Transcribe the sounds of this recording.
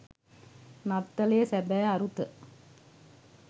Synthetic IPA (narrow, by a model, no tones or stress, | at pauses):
nɐt̪ːɐleːsɛbɛːɐɾut̪ːɨ